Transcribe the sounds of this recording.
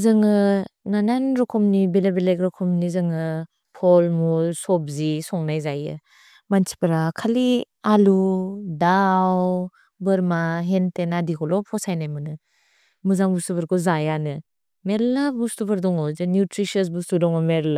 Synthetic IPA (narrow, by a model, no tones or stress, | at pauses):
zɯŋɯnananɾɔkʰɔmnibelabelekɾɔkʰɔmnizɯŋɯ | pʰɔlmusɔp̚zisɔŋnajzajɯ̰ | mansi̥paɾakʰali | aludaw | bɯɾmaɦentenadikʰɔlɔpʰɔsajnajmɯnɯ | muzaŋbustubʰaɾkʰɔzajanɯ | meɾlabustubaɾdɔŋɔzɯnjutɾisɔsbustudɔŋɔmeɾla